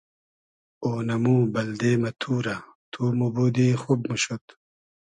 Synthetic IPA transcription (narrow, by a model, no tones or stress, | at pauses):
oːnɐmũːbɐld̪eːmɐt̪ʰuːɾɐt̪ʰuːmuboːd̪iːxobmuɕot̪